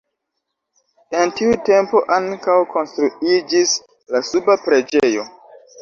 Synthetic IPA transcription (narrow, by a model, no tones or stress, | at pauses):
e̞ntiute̞mpo̞ʔaŋkawko̞nstɾuid͡ʒis | lasubapɾe̞d͡ʒejo̞̰